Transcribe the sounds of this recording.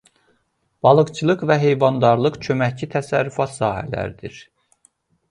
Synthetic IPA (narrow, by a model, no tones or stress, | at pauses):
b̥ɑlˠɯqt͡ʃʰɯlˠɯqvæɦe̞jvɑnd̪ɑɾlˠɯqt͡ʃʰømæçcʰit̪ʰæsæɾːyfɑt̪sɑːɦæ̰læ̰ɾd̪iɾ